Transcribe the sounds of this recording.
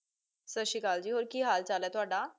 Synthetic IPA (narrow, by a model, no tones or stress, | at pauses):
səɕikaːld͡ʑiːɦoːɾkiːɦalt͡salat̪ʊaɽa